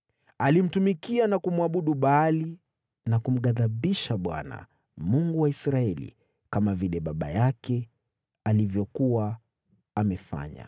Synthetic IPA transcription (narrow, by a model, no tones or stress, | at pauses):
alim̩tumikianakumwaɓuɗuɓali | nakum̩ɠaðaɓiʃaɓwa̰na̰ | muŋɡuwaisɾaɛlḭ | kamavilɛɓaɓa̰jakɛ | alivjɔkuwa | amɛfa̰ɲa̰